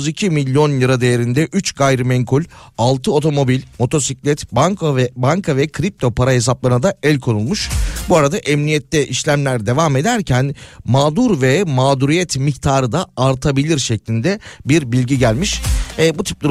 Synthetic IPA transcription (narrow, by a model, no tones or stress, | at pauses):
zicʰimilʲːjo̞njɯɾad̪e̞jeɾind̪ɛʔyt͡ʃɡajɾɯmɛŋkʰulʲalˠt̪ʰɯo̞t̪ʰo̞mo̞bilʲmo̞t̪ʰo̞siclʲɛt̪baŋkʰvɛbaŋkʰavɛkʰɾip̚t̪ʰo̞pʰaɾaɦe̞s̬aplˠaɾnad̪aɛlʲkʰo̞nulˠmuʃbuaɾad̪aʔɛmnijɛt̪lʲɛʔiʃlʲæmlʲæɾd̪e̞vaːme̞d̪æɾcʰænmaːd̪uɾvɛmaːd̪uɾijɛt̪miçt̪ʰaːɾɯd̪aːɾt̪ʰabilʲiɾʃɛclʲind̪ɛbiɾbilʲɟiɟælʲmiʃɛbut̪ʰi̥p̚lˠa